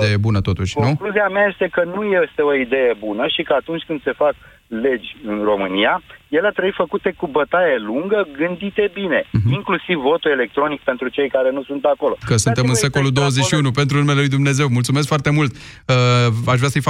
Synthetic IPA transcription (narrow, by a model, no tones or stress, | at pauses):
ejebunət̪o̞t̪uʃʲonũkluziameaje̞st̪e̞kənuje̞st̪e̞o̞id̪e̞jebunəʃikəat̪unt͡ʃʲkɨnd̪se̞fak | le̞d͡ʒʲɨnro̞mɨnijaje̞leat̪ɾəifəkut̪e̞kubət̪ajeluŋɡəɡɨnd̪it̪e̞bine̞iŋklusivːo̞t̪ue̞le̞k̚t̪ɾo̞nik̚pe̞nt̪ɾut͡ʃe̞jkaɾe̞nusunt̪ako̞lo̞kəsunt̪e̞mɨnse̞ko̞lud̪o̞wəzet͡ʃʃiunupent̪ɾunume̞lelujd̪umne̞ze̞wmult̪sume̞s̬kfoart̪e̞mult̪əaʃvɾasəjfa